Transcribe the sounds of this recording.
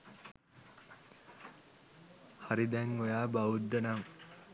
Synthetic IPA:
haɾid̪ɛŋojaːbaʋud̪ːənaŋ

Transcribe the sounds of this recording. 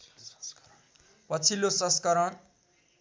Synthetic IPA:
pʌt͡sʰilːosʌ̃skʌɾʌn

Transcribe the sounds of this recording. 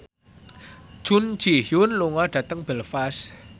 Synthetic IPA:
ʒ̥un̥d͡ʒ̥ihjʊnluŋaɖ̥ä̤t̪əŋb̥əlfas

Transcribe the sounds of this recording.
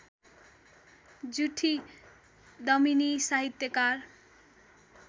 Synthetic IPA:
d͡zuʈʰi | d̪ʌminisaɦit̪jokaɾ

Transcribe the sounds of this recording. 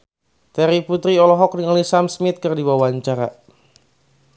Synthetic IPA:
t̪ɛɾiput̪ɾiɔlɔɦɔk̚niŋalisamsmɪt̪̚kɨrdiwawaɲt͡ʃaɾa

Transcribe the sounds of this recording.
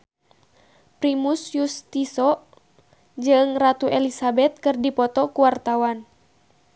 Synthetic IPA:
pɾimusjust̪isɔ | d͡ʒɨŋrat̪uʔɛlisabɛt̪̚kɨrdipɔt̪ɔkuwart̪awan

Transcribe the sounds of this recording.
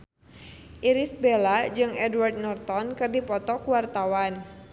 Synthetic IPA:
ʔiɾisbelad͡ʒɨŋɛdward̪̚nɔrt̪ɔnkɨrdipɔt̪ɔkuwart̪awan

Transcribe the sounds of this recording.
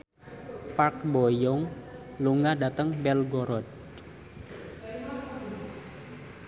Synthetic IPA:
pakbɔjɔŋ | luŋadat̪əŋbɛlɡɔɾɔd

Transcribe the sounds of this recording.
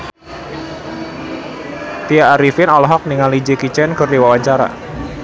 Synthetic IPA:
t̪iaːɾifɪnɔlɔɦɔk̚niŋalid͡ʒikit͡ʃɛnkɨrdiwawaɲt͡ʃaɾa̰

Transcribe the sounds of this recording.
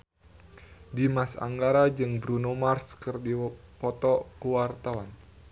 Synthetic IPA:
dimasa̰ŋɡaɾad͡ʒɨŋbɾunomarskərdipɔt̪ɔkuwart̪awan

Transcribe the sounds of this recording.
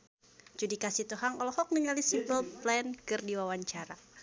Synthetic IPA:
d͡ʒudikasit̪uɦaŋɔlɔhɔk̚nəŋalisibəlplɛnkɨrdiwawaɲt͡ʃaɾa

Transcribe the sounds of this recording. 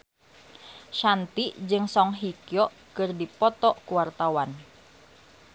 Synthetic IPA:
ʃant̪id͡ʒɨŋsɔŋɦikjɔ | kɨrdipɔt̪ɔkuwart̪awan

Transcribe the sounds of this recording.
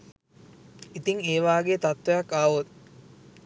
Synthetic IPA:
it̪iŋeːʋaːɡeːt̪at̪ʋejakːaːʋot̪

